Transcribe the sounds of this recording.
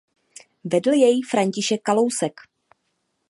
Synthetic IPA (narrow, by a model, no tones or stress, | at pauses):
vɛdl̩jɛjifɾaɲcɪʃɛkːalo̞wsɛk